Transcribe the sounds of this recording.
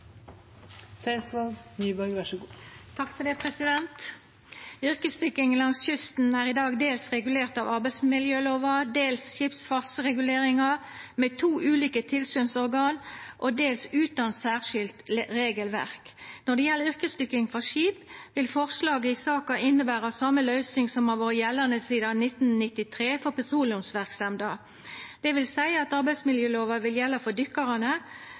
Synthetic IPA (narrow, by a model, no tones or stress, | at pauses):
sɛɪnsʋɑlɡnyːbœɾɡʋæʃɡːt̪ʰɑkfɔd̪ɛpʰʁɛsɪd̪ɛnt̪ | ʏʁkəst̪ʏkɪŋlɑŋsçʏst̪n̩æːʁɪd̪ɑːɡd̪eːlsʁɛɡʉleːʁt̪ɑːʋɑʁbæɪsmɪljøːloːʋɑd̪eːlsʃɪpsfɑʁsʁɛɡʉleːʁɪŋɑ | meːt̪ʰuːʔʉːliːkət̪ʰɪlsyːnsɔʁɡɑːnʔoːd̪eːlsʉːt̪ɑnsæːʁʂɪlt̪ʁeːɡəlʋæ̰ʁknɔʁd̪ɛjɛlːəɾʏʁkəst̪ʏkːɪŋfɔʃiːpʋɪlfɔʁslɑːɡəɪsɑːkɑɪnəbæːʁɑsɑmːəlœʏsnɪŋsɔmɑʋoːʁəjɛlːənəsiːd̪ɑnɪt̪nnɪt̪ːɪt̪ʰʁeːfɔʁpʰɛt̪ʰʁuːlɪʊmsʋæʁksɛmd̪ɑː | d̪̥ɛʋɪlsæɪɑt̪ɑʁbæɪsmɪljøːloːʋɑʋɪljɛlːəfɔd̪ʏkːɑʁɑnə